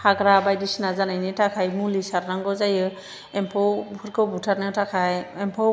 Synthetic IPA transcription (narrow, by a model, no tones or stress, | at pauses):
haɡɾabajdisnazanajnitʰakʰajmulisaɾnaŋɡɔzajɯ | ɛmpʰɔwpʰɯɾkɯwbutʰaɾnɯwtʰakʰajɛmpʰɔ